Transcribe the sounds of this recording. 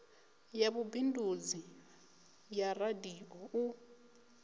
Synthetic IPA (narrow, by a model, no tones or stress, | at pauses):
jaβubindud͡zi | jaradiʔɔu